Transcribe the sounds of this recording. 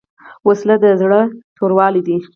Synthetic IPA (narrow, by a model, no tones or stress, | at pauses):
waslad̪əzɽət̪oɾwɑlid̪i